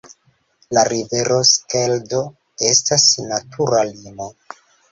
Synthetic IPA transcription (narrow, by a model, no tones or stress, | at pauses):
laɾive̞ɾʔo̞skeldo̞ | e̞stasnatʰuɾalimo̞